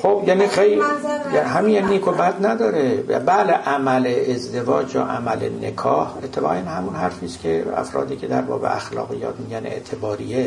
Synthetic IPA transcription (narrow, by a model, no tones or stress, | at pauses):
xobjæːnixejljɦæminjæninːiːkʰobæd̪næd̪ɒːɾḛbæleʔæmæleezd̪e̞vɒːd͡ʒjɒ̰ːʔæmælḛne̞̰kʰɒːhe̞t̪ʰːebɒːɣanhæmunhæɾfiːskʰeæ̰fɾɒ̰ːd̪iːcʰe̞d̪æɾbɒ̰ːbḛʔæxlɒ̰ːɣijɒ̰ːt̪miːɟæne̞̰ʔt̪ʰe̞bɒːɾiːe